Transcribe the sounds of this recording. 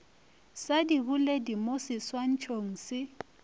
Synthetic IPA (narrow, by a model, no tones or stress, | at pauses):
sadibuledimosɪswan̩t͡ʃʰoŋ̩sɪ